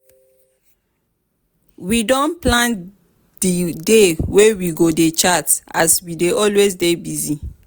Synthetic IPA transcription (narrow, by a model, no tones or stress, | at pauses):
widɔ̃nplãn | didewewiɡodet͡ʃata̰swideʔɔlwezdebizi